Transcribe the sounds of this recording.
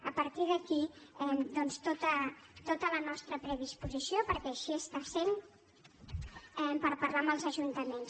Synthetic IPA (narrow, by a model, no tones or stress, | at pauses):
əpəɾt̪iðəkiɛmd̪ɔnst̪ot̪ət̪ot̪ələnɔst̪ɾəpɾəð̞ispuzisiopəɾkɛəʃiəst̪asen | ɛmpəɾpəɾlaməlˠzəʒunt̪əmens